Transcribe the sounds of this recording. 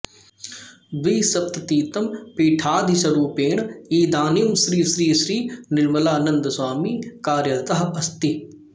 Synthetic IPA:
ʋiːsɐp̚t̪ɐt̪iːt̪ɐmpiːʈʰaːd̪ʱisɐɾuːpeːɳiːd̪aːnijɐmsɾiːsɾiːsɾiːnɪɾmɐlaːnɐnd̪swaːmiːkaːɾjɐt̪ɐɦɐst̪i

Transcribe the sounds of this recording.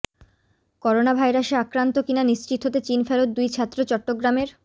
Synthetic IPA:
kɔɾonabʱajɾaʃeakɾant̪okinaniʃt͡ɕit̪ɦot̪et͡ɕinfelot̪̚d̪ujt͡ɕʰat̪ːɾot͡ɕɔʈːoɡɾameɾ

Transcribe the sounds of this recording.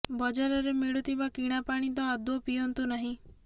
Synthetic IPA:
bɔd͡ʒaɾɔɾemiɭut̪ʰibakiɽ̃apaɽ̃it̪̬ɔːd̪ɔpiɔnt̪unaɦĩ

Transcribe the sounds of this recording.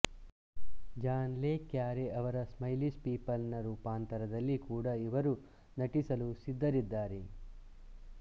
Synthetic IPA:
d͡ʒaːnleːkjaːɾeʔɐʋɐɾɐsmɐjlispiːpɐlnɐɾuːpaːnt̪ɐɾɐd̪ɐlːikuːɽɐiʋɐɾu | nɐʈisɐlusid̪ːɐɾid̪ːaːɾe

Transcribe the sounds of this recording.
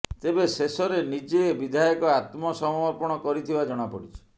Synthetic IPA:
t̪ebesesɔɾenid͡ʒebid̪ʱajɔkɔat̪mɔsɔmɔɾpɔɽ̃ɔkɔɾit̪ʰibad͡ʒɔɽ̃apɔɽit͡ʃʰɔ̥

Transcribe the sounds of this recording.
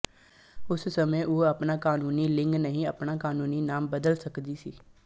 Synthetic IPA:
ʊssəmə̃ʔoːəpnakaːnuːnilɪ̃ŋɡnəɦĩəpnaːkaːnuːninaːmbəd̪əlsəkd̪isiː

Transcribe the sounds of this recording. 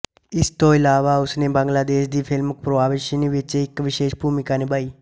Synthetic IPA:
ɪst̪oːɪlaːʋaːʊsnẽːbãŋɡlaːd̪eːʃd̪iːpʰɪlməkpɾoʋaːʋɪʃəniːʋɪt͡ʃɪkʋɪʃeːʃbʱuːmɪkaːneːbaːiː

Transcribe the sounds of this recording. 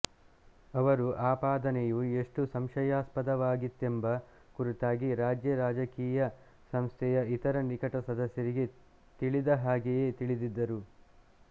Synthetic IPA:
ɐʋɐɾuʔaːpaːd̪ɐnejue̞ʂʈusɐmʃɐjaːspɐd̪ɐʋaːɡit̪ːembɐ | kuɾit̪aːɡiɾaːd͡ʒjɐɾaːd͡ʒɐkiːjɐ | sɐmst̪ʰɛjɐit̪ɐɾɐnikɐʈɐsɐd̪ɐsjɐɾiɡe̞ | t̪iɭid̪ɐɦaːɡeje̞t̪iɭid̪id̪ːɐɾu

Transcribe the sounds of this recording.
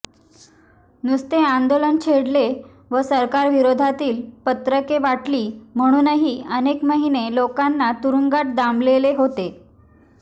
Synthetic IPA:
nust̪eand̪olənt͡ɕʰeɽle | ʋəsəɾkaɾʋiɾod̪ʱat̪iːlpət̪ɾəkeʋaʈliːm̤əɽ̃uːnəɦiːənekməɦinelokanːat̪uɾuŋɡaʈ̚d̪ambleleɦot̪e

